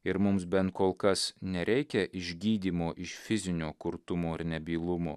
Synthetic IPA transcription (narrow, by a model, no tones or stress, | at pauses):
ɪɾmʊmsbʲɛnt̪̚koːlˠkɐsnʲɛɾʲɛɪkʲɛʔɪʒʲɡʲiːd̪ʲiːmoːʔɪʃfʲɪzʲɪnʲoːkʊɾt̪ʊmoːɪɾnʲɛbʲiːlˠʊmoː